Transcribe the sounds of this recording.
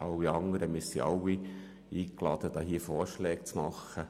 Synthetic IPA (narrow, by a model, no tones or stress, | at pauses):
ʔɑwːiɑŋəɾəmisḭʔɑ̰wi | iːklɑd̥̪əd̥̪ɑːɦiːfɔːɾʃlɛːk̚t͡smɑχːə